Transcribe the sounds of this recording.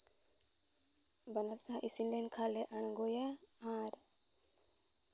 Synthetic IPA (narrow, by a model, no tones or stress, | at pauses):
banaɾsãʔisindɛnkʰalɛʔaɳɡɔjaãɾ